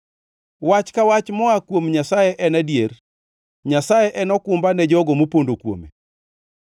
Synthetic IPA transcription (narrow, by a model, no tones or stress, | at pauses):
wat͡ʃkawat͡ʃmɔakwomɲasajɛʔɛnadjer | ɲasajeʔɛnɔkʊmbanɛd͡ʒɔɡɔmopondokwo̰mḛ